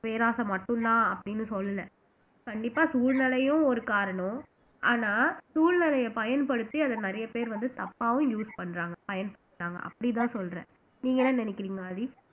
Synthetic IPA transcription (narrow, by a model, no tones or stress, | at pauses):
peːɾaːsɐmɐʈːɯ̃nt̪ãːɐpːɐɽɪnːɯsɔlːɐlɐ | kɐɳɖɪpːaːsuːɻnɐlɐjʊ̃ɔɾɯkaːɾɐɳɔ̃ | ʔaːnaːsuːɻnɪlɐjɐpɐjɐnpɐɽɯt̪ːiɐðɐnɐɾɐjɐpeːɾʋɐnd̪ɯt̪ɐpːaːʋʊ̃juːspɐɳːɾaːŋɡɐpɐjɐnpɐɳɾaːŋɡɐ̰ʔɐ̰pːɐɽɪt̪̬ãːsɔlɾɛ̰̃ː | niːŋɡɐnɐ̃nɐnɪkːɪɾiːŋɡɐɐði